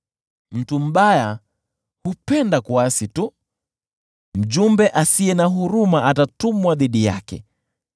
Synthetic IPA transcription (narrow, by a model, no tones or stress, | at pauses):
m̩tum̩ɓaja | hupɛndakuasitu | m̩ʄumbɛʔasiɛnaɦuɾumaatatumwaðiɗija̰kɛ̰